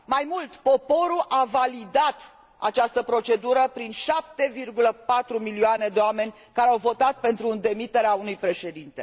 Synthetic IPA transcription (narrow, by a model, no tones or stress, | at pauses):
majmult̪po̞po̞ɾuʔavalid̪at̪ | a̰t͡ʃast̪əpɾo̞t͡ʃe̞d̪uɾəpɾinʃap̚t̪e̞virɡuləpat̪ɾumilioane̞d̪eoame̞nʲ | kaɾeawvo̞t̪at̪̚pe̞nt̪ɾuɨnd̪e̞mit̪e̞ɾeaunujpɾe̞ʃe̞d̪int̪e̞